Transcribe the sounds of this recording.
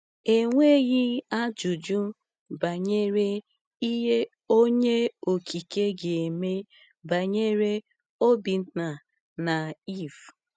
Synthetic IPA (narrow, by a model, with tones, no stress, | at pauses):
e˨ŋʷe˦ɣi˦a˦d͡ʒu˨d͡ʒu˦ | ba˨ɲe˦ɾe˦ | i˦ɦe˦ | o˦ɲe˦o˨kʰi˨ke˦ɡe˨e˨me˦ | ba˨ɲe˦ɾe˦ | o˦bi˨n̩˦ta˨ | na˨i˦˨f